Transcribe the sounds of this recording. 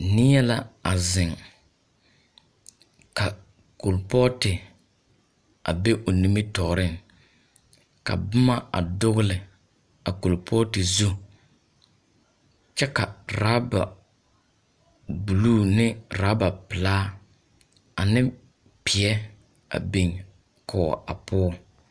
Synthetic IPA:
nɪ˦jɛ˦la˦a˨zɪ˨ŋ | ka˨ | ko˨lpɔ˦tɪ˨ | a˨be˦ʔo˨ni˦mi˦tɔː˨ɾɪ˦˨ŋ | ka̰˨bʊ˦ma˦a̰˨dʊ˦ɣʊ˦lɪ˨ | a˨ku˨lpʰɔ˦tɪ˨zu˦ | t͡ʃɛ˦ka˨ɾa˦ba̰˨ | bu˨luː˦˨nɪ˦ɾaː˨˦ba˨pɪ˨laː˦ | a˨nɪ˦ | pɪ˨ɛ˦ | a̰˨be˨ŋ | kʰɔː˨a̰˨pʰʊ˦ɔ˦

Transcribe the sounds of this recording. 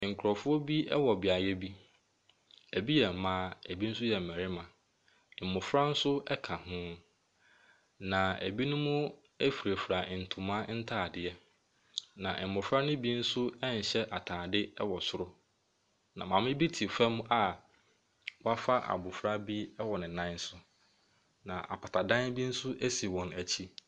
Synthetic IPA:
ŋ̩˨kʰʊ˨ɾɔ˨fʊ˦ɔ˦bi˦ɛ˦wɔ˨bɪ˨a˨jɛ˦bi˦ | æ˨bi˦jɛ˨m̩˨mãː˦æ˨bi˦n̩˦sʊ˦jɛ˨m̩˨mɛ̃˨ɾɪ˦mã˨ | ɛ˨mʊ̃˨fɾa˦n̩˦sʊ˦ɛ˦kʰa˨hʊ̃˦ | nã˨æ̰˨bi˦nʊ̃˦mʊ̃˦ | æ˦fi˨ɾe˨fɾa˨n̩˨tʰʊ̃˨mã˦n̩˦tʰaː˦˨dɪ˨ɛ˦ | nã˨ʔmʊ̃˨fɾa˦nʊ̃˦bi˦n̩˦sʊ˦ɛ˦n̩˨ɕɛ˦ʔa˨tʰaː˨dɪ˦ɛ˦wɔ˨sʊ˦ɾʊ˦ | nã̰˨mã˨mɪ̃˦bi˦tʰi˨fa˦m˦a˨ | wa˦fa˦ʔa̰˨bʊ˨fɾa˦bi˦ɛ˦wɔ˨nɪ̃˨nã˦n˦sʊ˦ | nã˨ʔa̰˨pʰa˨tʰa˨dã˦nbi˦n̩˦sʊ˦ʔæ˦si˨wɔ̃˨næ˨t͡ɕʰi˦

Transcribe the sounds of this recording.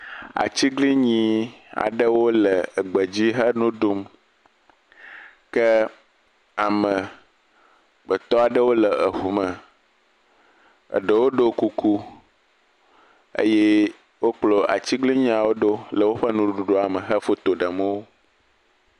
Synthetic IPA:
a̰˨t͡ɕi˦ɡli˦ɲĩ˨a̰˨ɖə˦wo˦lə˨ɡ͡bə˨d͡ʑi˦ɦə˦nũ˦ɖo˦m | kə˦ | a˨mə˨ | bə˨t̪ɔ˦a˨ɖə˦wo˦lə˨ə˨ɦu˨mə̃˨ | ə̰˨ɖə˨wo˦ɖo˦ku˨ku˦ | ḛ˦je˦ | wo˦k͡plo˨ʔa̰˨t͡ɕi˦ɡli˦ɲĩ˦a˨wo˦ɖo˦lə˨wo˦ɸə˦nũ˨u˨ɖu˨ɖo˦a˨mə̃˨ɦə˦fo˦t̪o˨ɖə˨mə˦wo˦

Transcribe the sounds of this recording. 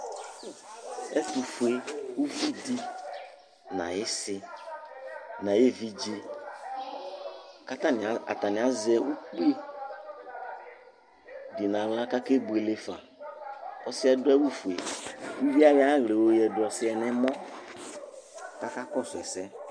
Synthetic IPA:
ɛ˦tu˨fu˨e˨wu˦vi˦di˦ | nã̰˨jɪ˦sɪ˦ | nã˨je˦vi˨d͡ʒe˦ | ka˦ta˦n˨a˨t̪a˨nɪ̃˨a˨˦zɛ˦ʔu˦k͡pu˦e˦ | dɪ˨nã˨la˦ka˦ke˦bu˨e˨le˦fa̰˨ | ɔ˦sɪ˦ɛ˦dʊ˦ɛ˦wu˦fu˨e˨wu˦vi˦a˦jɪ˨˦a˦ɣle˨wo˦jɛ˨dʊ˨ɔ˨sɪ˦ɛ˨nɛ̃˦mɔ̃˦ | ka˦ka˦kɔ˦sʊ˨ɛ̰˨sɛ˦

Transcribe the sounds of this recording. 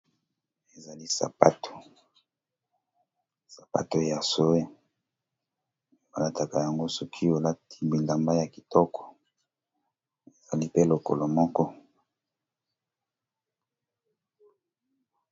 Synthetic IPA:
e˨za˨li˦sa̰˨pa˦tʰo̥˨ | sa˨pa̰˦to˨ja˨so˦e˦ | o˨a˦la˦ta˨ka˨ja˨ŋɡo˦su˨kʰi˦o˨la˦ti̥˦bi˨la˨mba˦ja˨ki˨tɔ˦kʰɔ̥˨ | e˨za˨li˦pe˦lo˨ko̰˨lo˨mɔ˦kɔ˦

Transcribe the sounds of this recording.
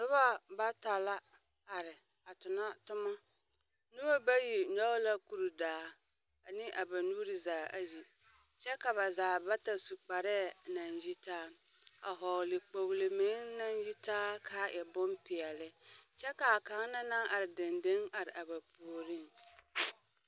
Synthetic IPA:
sʊ˦βa˦ba˦ta˨la˦ | a˨ɾɪ˨ | a˨tʊ˨na˦tʊ˦ma˦ | nu˦a˦ba˦ji˨ɲɔ˦ɣla˦ku˨ɾu˨daː˨˦ | a˨nɪ˦ʔa˨ba˨nuː˦ɾi˨zaː˨a˨ji˨ | t͡ʃɛ˦ka˨βa˨zaː˨ba˦ta˨su˨k͡pa˨ɾɛ˦˨na˨nji˦taː˦ | a̰˨ɦɔ˨lɪ˨k͡po˨ɣlɪ˨mɪ˨˦na˦nji˦taː˦kʰaː˦ʔɛ˨bʊ˦mpɪ˨ɛ˨lɪ˦t͡ʃɛ˦ka˨a˨ka˨˦ŋ˦na˦na˦ŋʔa˨ɾɪ˨dɪ˨ndɪ˦ŋa˨ɾɪ˨ʔa˨ba˨pu˨ɾi˦ŋ

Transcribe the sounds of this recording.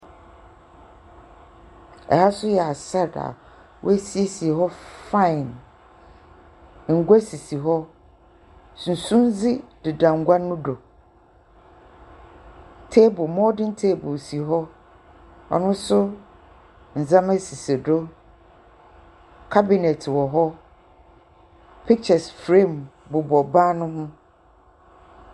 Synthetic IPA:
ɛ̰˨ha˦sʊ˦jɛ˨a˨sɛ˦da̰˨ | wʔɔ̰˦æ˦si˦e˦si˨e˨ɦɔ˦fã˦˨ɪ̃˨n˨ | ŋ̩˨ɡʷa˦si˨si˨ɦɔ˦ | sũ˨n˨sũ˦n˦d͡zɪ˦dɪ˨dã˨ŋ˦ɡʷa˦nʊ̃˦do˨ | tʰe˦bʊ˨mɔ̃˦dɪ̃˦n̩˦tʰe˦bʊ˨si˨ɦɔ˦ | ɔ̰˨nʊ̃˦sʊ˦ | n̩˨zã˦mɛ̃˦si˨se˨do˦ | kʰa˦bi˨nɛ˨tʰwɔ˨ɦɔ˦ | pʰi˦k̚t͡ʃɛ˨sfɾẽ˦˨mbʊ˨bɔ˨baː˦nʊ̃˦ɦʊ̃˦

